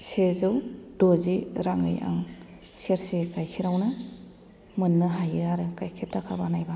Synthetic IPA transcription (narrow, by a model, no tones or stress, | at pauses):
sezɯwdoziɾaŋɯ̰ja̰ŋ | seɾsikajkʰiɾawnɯ | mɯnːɯɦajɯaɾɯkajkʰep̚tːakʰabanajba